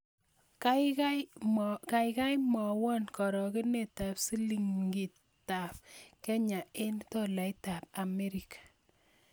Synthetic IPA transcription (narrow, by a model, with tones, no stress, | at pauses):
kaka˦jka˨jka˦jmɔ˨wɔ˦nkɔ˨ɾɔ˨kɪ˦ne˨ta˨psi˦li˨ŋɡi˨t | tːa˨p̚kɛ˦ɲa˨e˦nto˦la˨jta˨p̚a˨me˦ɾi˨kḁ˨